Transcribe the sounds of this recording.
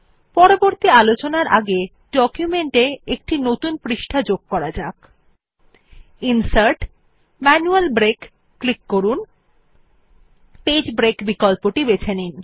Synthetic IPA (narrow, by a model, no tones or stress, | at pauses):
pɔɾoboɾt̪ialot͡ɕonaɾʔa̰ɡe | ɖɔkjumeɳʈeek̚ʈinot̪unpɾiʃʈʰad͡ʑoɡ̚kɔɾad͡ʑak | insaɾʈ | mɛnualbɾekː | likːoɾun | ped͡ʑbɾekbikolpoʈibet͡ɕʰanin